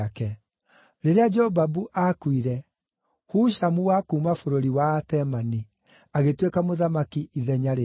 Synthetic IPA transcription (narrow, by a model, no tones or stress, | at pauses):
kɛ | ɾeɾead͡ʒɛɔbabuʔakwiɾɛ | huːʃamuwakumafoɾoɾiwaːtɛmani | aɣetwekamoðamakiʔiðɛɲaɾe